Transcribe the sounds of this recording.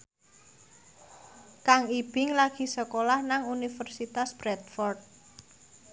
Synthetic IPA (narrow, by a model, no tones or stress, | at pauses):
kaŋib̥ɪŋlaɡ̥i̤səkolahnaŋunifərsit̪asb̥ɾɛt̪̚fɔrt̪̚